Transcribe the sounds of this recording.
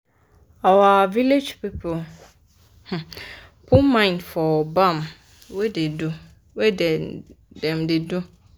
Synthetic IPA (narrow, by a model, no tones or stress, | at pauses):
awaːviled͡ʒpipʰo | h̩ | pʰʊ̃mãɪ̃ndfɔbãm | wɛdɪdʊ | wɛdɛ | dɛ̃mdɪdʊ